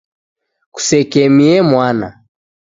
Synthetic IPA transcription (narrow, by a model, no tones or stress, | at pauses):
ku̥sɛkɛmiɛmwana̰